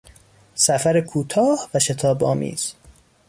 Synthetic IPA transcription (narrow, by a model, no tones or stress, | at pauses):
sæfæɾekʰuːt̪ʰɒːhvæʃe̞t̪ʰɒːbɒːmḭːz̥